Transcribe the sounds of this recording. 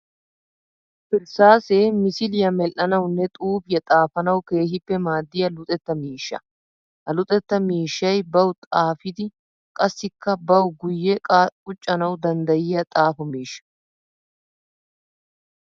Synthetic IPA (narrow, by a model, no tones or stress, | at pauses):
fɪɾsaːseːmɪsɪlɪjɐmɛlʔːɐnɐwnːɛt̪ʼuːbɪjɐt̪ʼaːfɐnɐwke̞ːɦɪpːɛmaːd̪ːɪjɐlʊt̪ʼɛt̪ːɐmiːʃːɐ̰ | ʔɐlʊt̪ʼɛt̪ːɐmiːʃːɐjbɐwt̪ʼaːfɪd̪ɪ | kʼɐsːɪkːɐbɐwɡʊjːɛkʼakʼʊt͡ʃʼːɐnɐwd̪ɐnd̪ɐjɪjɐt̪ʼaːfʊmiːʃːɐ̥